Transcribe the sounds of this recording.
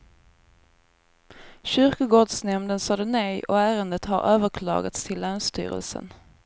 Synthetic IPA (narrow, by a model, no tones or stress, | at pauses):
ɕʏɾkʊɡoːɖʂnɛmnd̪ənsɑd̪ənɛjɔ̰æːɾənd̪ət̪haɾʔøːvəɾkʰlɑ̰ːɡat̪st̪ʰɪlːœːnst̪y̰ːɾə̰lsə̰n